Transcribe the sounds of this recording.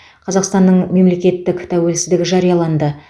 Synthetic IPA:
qʰɑzɑqst̪ɑnːəɴme̞mle̞kʲe̞t̪ːɪkt̪ʰæwe̞lsɪzd̪ɪɡʲɪʒɑɾijɑlˠɑnd̪ə

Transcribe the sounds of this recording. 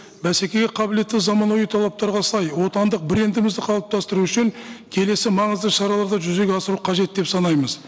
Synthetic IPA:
bæse̞kʲe̞ɡʲeqʰɑbɪle̞t̪ːɪzɑmɑnojət̪ʰɑlˠɑp̚t̪ɑɾʁɑsɑjwo̞t̪ɑnd̪əq̚bɪɾe̞nd̪ɪmɪzd̪ɪqʰɑlˠəp̚t̪ʰɑst̪əɾuʏʃɪŋkʲʰe̞le̞sɪmɑɴəzd̪əʃɑɾɑlˠɑɾd̪ɑʒʏze̞ɡʲeɑsəɾuqʰɑʒe̞t̪̚d̪e̞psɑnɑjməz

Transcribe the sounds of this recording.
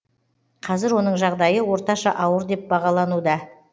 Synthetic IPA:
qʰɑzɪɾwo̞nəɴʒɑʁd̪ɑjəwo̞ɾt̪ɑʃɑ̰ʔɑwəɾd̪e̞p̚bɑʁɑlˠɑnud̪ɑ

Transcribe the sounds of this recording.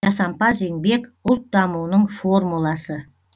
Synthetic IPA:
ɑsɑmpɑze̞ŋbe̞kʊlˠt̪̚d̪ɑmuwnəɴfo̞rmulˠɑsə

